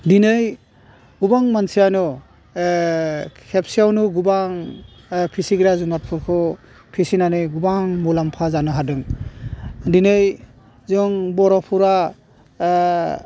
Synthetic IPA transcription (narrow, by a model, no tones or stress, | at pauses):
dinɯj | ɡubaŋmansʰijanɔ | kʰep̚sijawnuɡubaŋ | pʰisiɡɾazumat̚pʰuɾkʰɯ | pʰisinanɯjɡubaŋmulampʰazanɯɦadɯŋ | dinɯj | zɔŋbɔɾɔpʰuɾa